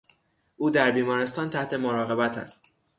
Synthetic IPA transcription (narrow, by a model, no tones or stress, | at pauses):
ʔuːd̪æɾbiːmɒːɾe̞st̪ɒːnt̪ʰæht̪ʰe̞moɾɒːɣe̞bæt̪ʰæ̰st̪